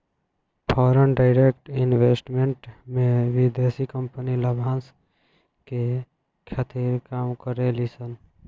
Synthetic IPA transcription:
pʰɔːɾənɖaɪɾekʈɪnweːsʈmẽɳʈmẽʋid̪eːsikəmpəniləbʱaːns | ke | kʰat̪ʰiɾkaːmkəɾelisən

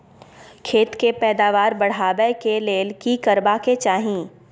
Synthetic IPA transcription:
kʰeːt̪kepɛːd̪aːʋaːɾbɐɽ̤aːbɛkeleːlkikɐɾbaket͡ʃaːɦĩː

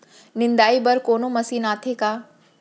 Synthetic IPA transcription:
nɪ̃nd̪aːibɐɾkoːnomɐsiːnaːt̪ʰekaː

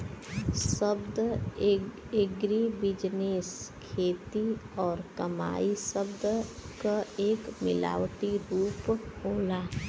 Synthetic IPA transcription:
səbd̪ | eɡɾibɪd͡ʒneskʰeːt̪iɔːɾkəma̰ːisəbd̪kaeːkmɪ̰la̰ːwt̪iɾuːphoːlaː

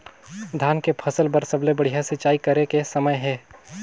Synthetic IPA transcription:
d̪ʱaːnkepʰɐsəlbəɾsəblebɐɽ̤ijasɪt͡ʃaːikɐɾekesɐməjɦɛː

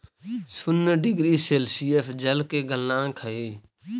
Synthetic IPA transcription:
sʊnɖɪɡɾiːseːlsiːeːfd͡ʒəlkeːɡəlnãːkʰəeː

